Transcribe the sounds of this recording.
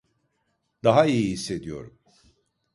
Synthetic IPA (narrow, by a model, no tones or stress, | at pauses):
d̪aɦaijihisːe̞d̪ijo̞ɾum